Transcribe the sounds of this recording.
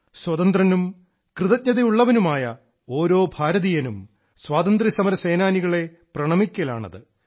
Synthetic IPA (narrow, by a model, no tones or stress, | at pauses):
swɐt̪ɐnd̪rɐnum | krɨðɐt̪̚ɲɐðijuɭːɐʋɐnumaːjɐ | o̞ːɾo̞ːbʱaːɾɐðijɐnum | swaːt̪ɐnd̪risɐmɐɾɐse̞ːnaːniɣɐɭe̞ | prɐɳɐmikʲːɐla̰ːɳɐ̰ðɨ